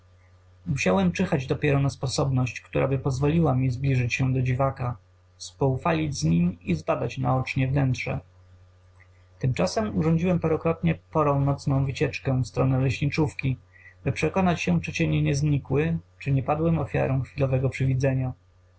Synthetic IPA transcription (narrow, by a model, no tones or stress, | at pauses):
muɕawɛmt͡ʂɘxad͡ʑd̪ɔpʲjɛɾɔnaspɔsɔbnɔɕt͡ɕkt̪uɾʔa̰bɘpɔzvɔlʲiwamʲizblʲiʐɘt͡ɕɕɛd̪ɔd͡ʑivaka | spɔufalʲid͡ʑzɲimʲizbad̪at͡ɕnaɔt͡ʂɲɛvnɛntʂɛ̰ | t̪ɘmt͡ʂasɛmuʐɔɲd͡ʑiwɛmpaɾɔkɾɔt̪ɲɛpɔɾɔ̃w̃nɔt̪snɔ̃w̃vɘt͡ɕɛt͡ʂkɛfst̪ɾɔnɛlɛɕɲʲit͡ʂufkʲi | bɘpʂɛkɔnat͡ɕɕɛ̃t͡ʂɘt͡ɕɛɲɛɲɛzɲikwɘt͡ʂɘɲɛpad̪wɛmɔfʲja̰ɾɛ̃w̃xfʲilɔvɛɡɔpʂɘvʲid̪zɛɲa